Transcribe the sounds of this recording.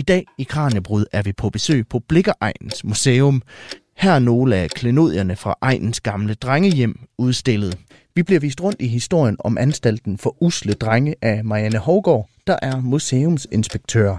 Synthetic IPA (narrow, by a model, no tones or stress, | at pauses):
id̥ɛ̰ːikʰʁɑ̈ːnæb̥ʁuðˠæɐʋipʰɒ̽b̥e̝sø̰ːpʰɒ̽b̥le̝ɡ̥ɐʔɑ̈ɪ̰nn̩smuseːɔm | hæɐ̰no̝ːləækʰle̝no̝ð̰ˠjɐnəfʁɑ̈ʔɑ̈ɪ̰nn̩sɡ̥ɑ̈mləd̥ʁaŋəjem̰uð̞ˠsd̥e̝lð̩ˠ | ʋib̥liɐʋiːsd̥ʁɔ̽n̰d̥iɦisd̥o̝ɐ̰jənɒ̽mʔænsd̥æl̰d̥n̩fɒ̽ʔusləd̥ʁaŋəʔæmɑ̈jænəhɒʊɡ̥ɒ̰ːd̥ɑ̈ʔæɐmuseːɔmse̝nsb̥eɡ̥̚t͡sʰø̰ːɐ